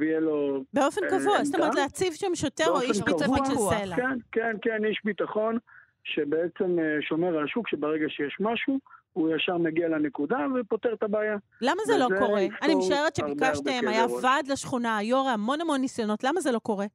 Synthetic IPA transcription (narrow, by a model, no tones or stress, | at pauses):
vijelobeo̞fenkavuast̪omeʁet̪leat͡sivʃamʃoteʁoiʃitaoʃeluelakenkenkeniʃbitaχo̞n | ʃebeet͡semeʃo̞meʁaʃukʃebeʁeɡaʃejeʃmaʃu | ujaʃaʁmeɡialanekudavepot̪eʁt̪abaːjalamazelo̞ko̞ʁeanimeʃaeʁet̪ʃeikaʃt̪eemajavad̪laʃχunaːjoʁeamo̞namo̞nːisjono̞tlamazelo̞ko̞ʁe̞